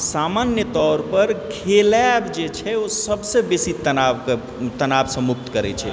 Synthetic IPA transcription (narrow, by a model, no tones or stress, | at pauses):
samanjət̪ɔːɾpəɾkʰelabd͡ʒet͡ʃʰɛosəbsẽbesit̪ənaʋ | t̪ənaʋsə̃mʊk̚t̪kəɾɛ̰t͡ʃʰɛ̰